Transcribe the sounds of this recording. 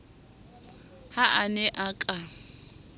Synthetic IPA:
haʔanɛʔakʼa

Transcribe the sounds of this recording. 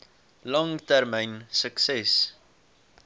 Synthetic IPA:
lɔŋtærməjnsəksɛs

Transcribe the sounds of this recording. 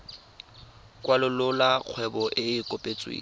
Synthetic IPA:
kʼwalɪlʊlak͡xʰwɛbɔʔɪɪkʼɔpʼet͡sʼwḛː

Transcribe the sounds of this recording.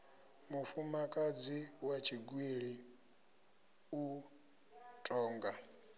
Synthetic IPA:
mufumakʼad͡ziwat͡ʃʰiɡwiɺi | u | tʼɔːŋɡa

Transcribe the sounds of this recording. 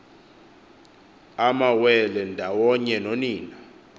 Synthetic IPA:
amawɛlɛndʱawɔɲɛnoniːna

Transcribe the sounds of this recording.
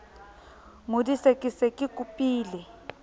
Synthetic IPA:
ŋudisekʼisekʼikʼupʼiːlɛ

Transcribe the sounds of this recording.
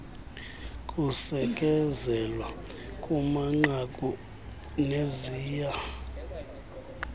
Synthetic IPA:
kʼusɛkʼɛzɛlwakʼumaŋ͡ǃakʼu | neziːja

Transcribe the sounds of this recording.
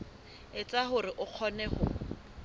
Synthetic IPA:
ɪt͡sʼahʊrɪʔʊq͡χʰɔnɛhʊ

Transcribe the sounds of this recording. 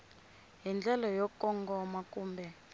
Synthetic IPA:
ɦind͡ɮɛlɔjɔkɔŋɡʱɔmakʼuːmbʱɛ

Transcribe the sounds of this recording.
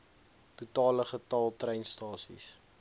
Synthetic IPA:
tutɑːləχətɑlˠtrɛjnstɑːsḭs

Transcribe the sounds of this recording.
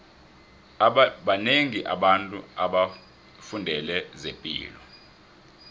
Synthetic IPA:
ɓaneŋiʔa̰ɓantʼuaɓa | fundʱɛlɛzempʼḭːlɔ

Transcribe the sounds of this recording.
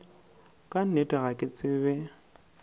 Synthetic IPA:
kʼan̩etʼaɣakʼɪt͡sʼɪβɛ

